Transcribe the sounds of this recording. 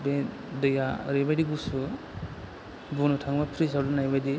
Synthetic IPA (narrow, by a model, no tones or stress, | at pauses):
be | dəjaɾebajdiɡusu | bunutʰaŋmapʰɾisawlunajbajdi